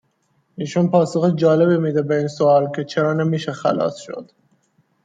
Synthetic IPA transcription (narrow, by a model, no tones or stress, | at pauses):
iːʃunpʰɒːsoxid͡ʒɒːle̞biːmiːd̪ebeiːnsoɒːlcʰe̞t͡ʃʰeɾɒːnemiːʃexæ̰lɒ̰ːsʃo̞̰d̪̥